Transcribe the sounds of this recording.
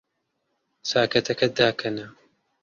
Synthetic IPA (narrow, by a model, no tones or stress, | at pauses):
saːkɐt̪ʰɐkɐd̪aːkʰɐnɐ